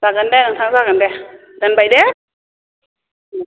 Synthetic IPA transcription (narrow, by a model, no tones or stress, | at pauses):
sak̚ːandɛnaŋt̪ʰaŋzaːkadɛ | kanbajdɛ